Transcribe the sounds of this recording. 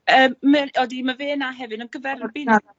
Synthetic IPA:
əːmməɔdiməveːnaɦɛvɨnənɡəvɛrɔbɪn

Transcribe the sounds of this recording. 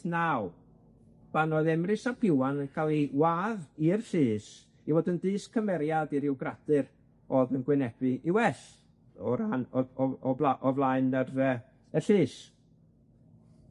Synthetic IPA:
naw | b̥anɔðɛmrɨsapʰɪwankʰalˠiwaːðiərɬɪːs | ivoːdəndɨːskʰəmɛɾjadiɾɪwɡradɨɾ | ɔðənɡwɪnɛb̥ɨʔiwɛɬ | ɔɾanɔɔɔblaʔɔvlˠaɨnərəː | ərɬɨːs

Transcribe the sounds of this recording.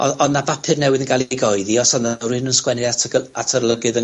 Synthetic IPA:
ɔɔnnavapʰɨrnɛwɪðənɡalˠɡɔɨðiɔsɔnarɪnənskwɛnɪatʰəatʰərlˠəɡɨðə

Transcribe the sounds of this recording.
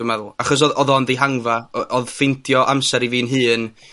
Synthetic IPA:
mɛðʊlˠaχɔs̬ɔðɔðɔndiɦaŋvaʔɔðfɪntʰjɔʔamsɛɾiviːnɦɨːn

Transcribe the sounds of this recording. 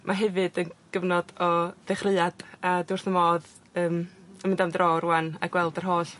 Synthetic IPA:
mʔaɦɛvɨdənɡ̥əvnɔdɔðɛχrɨad̥adʊrθəmɔːð | əːməmɪndamdroːɾwana̰ɡwɛlˠdərɦoːɬ

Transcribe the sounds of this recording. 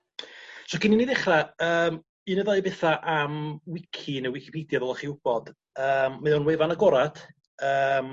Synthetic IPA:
sɔɡɪniniðɪχraəːm | ɨnəðɔbɛθaʔamwɪkʰinəwɪkʰi̥pʰidjaðɔlˠaχiʊb̥ɔd̥ | əːmːaðɔnwevanaɡɔɾad̥ | əm

